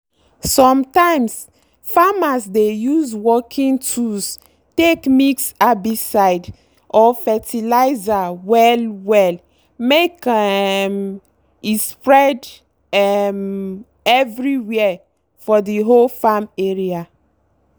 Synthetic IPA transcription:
sɔ̃mtãɪ̃ms | famasdejuzwɔkʰĩntʰus | tekmiksabisaɪd | ʔɔfɛtilaɪzawɛlwɛl | mekɛm | ispɹɛd | ɛm | ɛvɹiwɛɛ | fɔdiɦolfameɹia

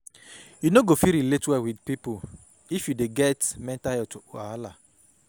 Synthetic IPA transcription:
junoɡofiɾiletwɛwidpipo | ifjudeɡɛtmɛ̃ntajɛtʰuaala

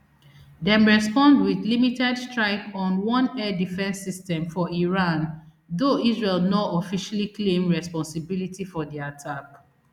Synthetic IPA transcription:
dɛ̃mɹɛspɔ̃ndwidlimitɛdstɹaɪkɔ̃nwɔ̃nɛdifɛ̃nsːistɛ̃mfɔiɹãn | ðoisɹelnɔtɔfiʃaliklẽmɹɛspɔ̃nsibilitifɔdiatʰak

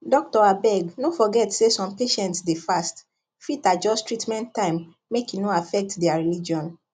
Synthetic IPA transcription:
dɔk̚tɔabɛɡnofɔɡɛtsesɔ̃mpeʃɛ̃ntsdefast | fitad͡ʒɔstɹitmɛ̃ntːãɪ̃mː | ekinoafɛk̚tdɛaɹilid͡ʒiɔ̃n

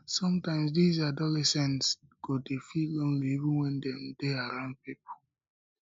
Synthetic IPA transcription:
sɔ̃mtãɪ̃ms̬dizadɔlɛsɛ̃ntsɡ̥odefilõnliivũnwɛ̃ndɛ̃mdeaɹãʊ̃nd̚pipo

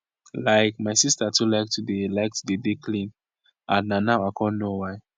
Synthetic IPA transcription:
laɪkmaɪsistatulaɪk̚tʰudelaɪk̚tudedekʰlĩn | ãnːanawaɪkʰɔ̃nnowaɪ

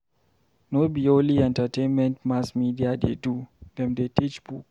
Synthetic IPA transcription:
nobioliɛ̃ntatʰẽnmɛ̃ntmasmidiadedud̥ɛ̃mdetit͡ʃbuk

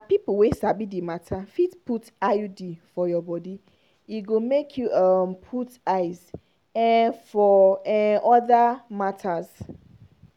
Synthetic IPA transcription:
apipl̩wesabidimatʰafitpʰutaudifɔjɔbɔdi | iɡomekʰjuʔampʰutaɪz | ɛfɔɛɔðamatʰaz̥

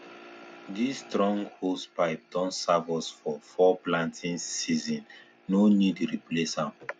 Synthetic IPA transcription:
distɹɔ̃ŋɡhospaɪp̚dɔ̃nsavɔsfɔfɔplãntʰĩnsizɔ̃nː | onidɹiplesãm

